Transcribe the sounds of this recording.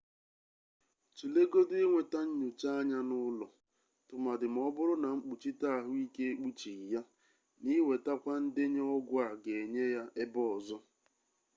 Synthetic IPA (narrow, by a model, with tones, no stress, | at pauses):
t͡ʃu˨le˦ɡo˦du˦e˦ŋʷe˨ta˦ɲ̩˦ɲu˨t͡ʃa˦a˦ɲa˦nʊ˦lɔ˨ | tʊ˨ma˨dɪ˨m̩˨˦ɔ˦bʊ˦ɾʊ˦na˨ŋ͡m̩˦k͡pu˨t͡ʃi˦ta˦˨ɦʊ˦i˦ke˦e˦k͡pu˦t͡ʃi˨ja˦ | ni˦we˨ta˦kʷa˦n̩˦dɪ˦ɲ˦ɔ˦ɡʷʊ˦a˨ɡe˨ɲe˦ja˦ʔe˦bɔ˦˨zɔ˦